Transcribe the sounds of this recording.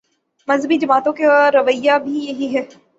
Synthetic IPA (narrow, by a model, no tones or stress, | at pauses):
mɐzbid͡ʒɐmaːt̪õkaɾɐʋəɪjabʱijɐɦiɦɛː